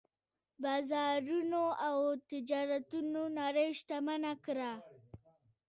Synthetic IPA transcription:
bɑzɑɾunoawt̪ɪd͡ʒɑɾat̪unonaɾəjʃt̪amanakɾa

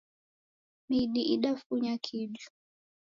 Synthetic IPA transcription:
miɗiʔiɗafuɲakʰiʄu̥

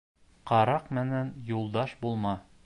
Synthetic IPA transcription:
qɑɾɑqmɘ̆nænjulˠd̪ɑʃbulˠmɑ

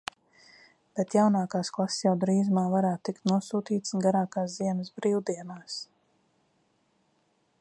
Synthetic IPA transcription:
b̥ɛt̪jawnaːkaːsklˠassjawd̪ɾiːzmaːvaɾaːt̪ːikt̪nuɔsuːt̪iːt̪sɡaɾaːkaːsziɛnəsbɾiːwd̪iɛnaːs

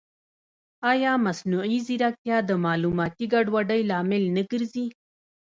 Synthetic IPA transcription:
ɑjɑmasnuiziɾak̚jɑd̪əmɑlumɑt̪iɡaɖwaɖəjlɑːmɪlnəɡəɾzi

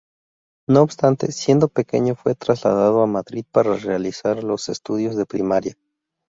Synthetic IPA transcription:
no̞ːbst̪ant̪e̞̰sje̞nd̪o̞pe̞ke̞̰ɲo̞fwe̞t̪ɾazla̰ðað̞o̞amaðɾið̥̚paɾare̞alisaɾlo̞se̞st̪uðjo̞zðe̞pɾimaɾja

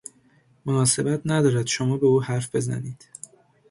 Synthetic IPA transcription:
monɒːse̞bæt̪ʰnæd̪ɒːɾæd̪̥ʃo̞mɒːbe̞uːhæɾfb̥e̞zæ̰niːd̪̥

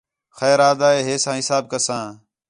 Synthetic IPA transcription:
xɛːɾaːd̪aːeːɦeːsãːɦɪsaːb̚kəsãː

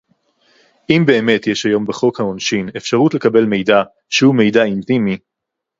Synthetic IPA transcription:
ʔimbe̞ːme̞tjeʃajo̞mbeχo̞khaonʃine̞fʃaʁutle̞kabe̞lme̞jda | ʃehume̞jdaintimi

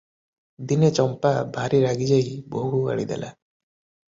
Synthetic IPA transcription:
d̪inet͡ʃɔmpabʱaɾiɾaɡid͡ʒajbɔɦua̰ɽḭd̪ḛla̰

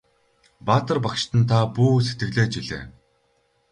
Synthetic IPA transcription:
paːt̪ə̆rpakʃt̪ə̆nt̪ʰapuːset̪ɡɘ̆ɣɮeːt͡ɕiɮḛː

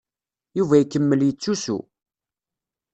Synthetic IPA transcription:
juvæjkːəmːəljət͡sːusṵ

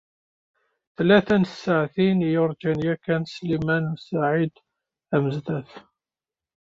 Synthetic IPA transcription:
θlæθænsːaʕθinjʊɾˤd͡ʒænjækːænslimænsaʕid̪ | æməzd̪æf

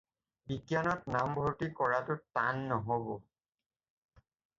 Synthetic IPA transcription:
bikjanɔtnambʱoɹtikɔɹatʊtanːɔɦobɔ

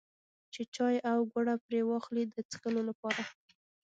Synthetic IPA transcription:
t͡ʃet͡ʃɑjawɡaɽapɾewɑxlid̪ət͡sxəlolapɑɾa

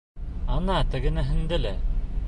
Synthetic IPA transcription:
ɑnɑt̪ɘ̆ɡɘ̆næɦɘ̆nd̪ɘlæ

